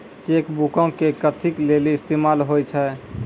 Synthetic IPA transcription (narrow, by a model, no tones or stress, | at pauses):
t͡ʃekbukə̃kekət̪ʰikleliːst̪emalɦojt͡ʃʰɛ